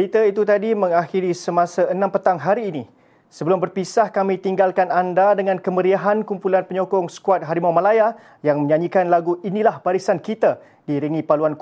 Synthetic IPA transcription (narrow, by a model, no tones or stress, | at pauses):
it̪əit̪ut̪adimə̃ŋaxiɾisəmasaənãmpət̪aŋɦaɾiːni | səbəlʊmbərpisahkamĩt̪iŋɡalkanandadəŋãnkəməɾiaɦankumpulanpəɲɔkɔŋsə̥kuat̪̚ɦaɾimawmalaja | jaŋmə̃ɲãɲikanlaɡuinĩlahbaɾisankit̪a | diɾiŋĩpaluank